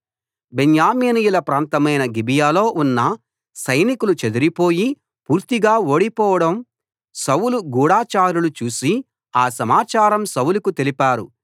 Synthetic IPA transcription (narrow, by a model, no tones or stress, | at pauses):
benjaːmeːnijulɐpɾaːnt̪ɐmɐjnɐɡibijaːlo̞ːʔunːɐ | sɐjnikulut͡ʃed̪uɾipoːji | puːɾt̪iɡaːo̞ːɽipɔːʋɐɽɐm | sɐwuluɡuːɽaːt͡ʃaːɾulut͡ʃuːsi | aːsɐmaːt͡ʃaːɾɐmsɐwulukut̪e̞lipaːɾu